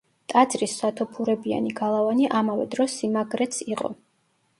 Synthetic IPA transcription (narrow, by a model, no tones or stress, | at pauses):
t̪ʼad̪zɾisːat̪ʰɔpʰuɾɛbia̰niɡalˠavaniʔamavɛ̰d̪ɾɔsːimaɡɾɛt̪sʰiqʼɔ̰